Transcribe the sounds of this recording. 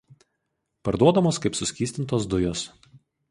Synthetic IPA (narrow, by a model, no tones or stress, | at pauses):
pɐɾd̪uɔd̪ɐmoːskɐɪpsʊsʲkʲiːsʲt̪ʲɪnt̪oːsd̪ʊjoːs